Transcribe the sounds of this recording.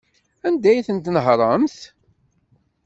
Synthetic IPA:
ænd̪æjθənt̪nəɦɾˤɑmθ

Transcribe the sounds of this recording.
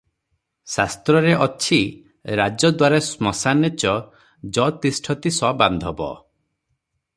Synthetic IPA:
sast̪ɾɔɾeʔɔt͡ʃʰi | ɾad͡ʒɔd̪waɾasmɔsanet͡ʃɔ | d͡ʒɔt̪isʈʰɔt̪isɔband̪ʱɔbɔ̰

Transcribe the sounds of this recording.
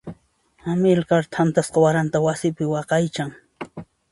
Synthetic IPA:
amɪlkaɾt̪ʰant̪asqawaɾant̪awasɪpɪwɑqɑjt͡ʃaŋ

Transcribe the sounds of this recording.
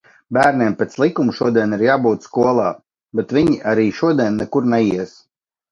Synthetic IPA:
bæːɾnʲiɛmpʲet̪slˠikumʃuɔd̪iɛniɾjaːbuːt̪skuɔlˠaː | bet̪vʲiɲiʔaɾiːʃuɔd̪iɛnːɛkuɾnɛiɛs

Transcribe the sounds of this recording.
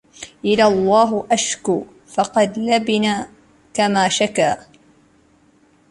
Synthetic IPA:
ʔɪlalˤːɑːɦʊʔaʃkʊ | fɑqɑd̪labɪnaː | kamaːʃakaː

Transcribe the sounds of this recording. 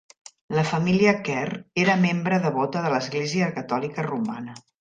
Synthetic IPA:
ləfəmiliəkɛreɾəmembɾəðəβɔt̪əðələzɣleziəkət̪ɔlikəruma̰nə

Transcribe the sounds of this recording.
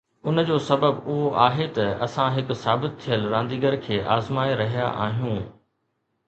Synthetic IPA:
ʊnd͡ʑoːsɐbəbʊɦoʔaːɦet̪ɐɐsãɦɪkʊsaːbɪt̪̚t̪ʰːijəlɾãːnd̪iːɡəɾkʰeːʔaːzmaːiɾɐɦija̰ʔa̰ːɦijũː

